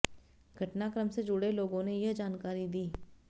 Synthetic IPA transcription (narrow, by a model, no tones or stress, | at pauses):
ɡʱɐʈnakɾəmsed͡ʒʊɽeloːɡõnejɐɦd͡ʒaːnkaːɾid̪iː